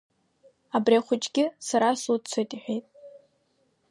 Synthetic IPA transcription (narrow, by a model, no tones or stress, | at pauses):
abriaχʷʊt͡ʃʼɡʲɪsaɾasut͡sʰejtʼiħʷᶣejtʼ